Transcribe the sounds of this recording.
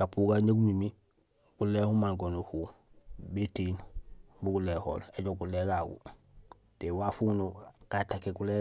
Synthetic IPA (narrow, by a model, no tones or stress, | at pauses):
kapuːɡaɲeɡumimi | kulehumalɡonuhu | betiːn | buɡuleːho̰leɟoɡuleɡaɡṵ | tewafunukatakekule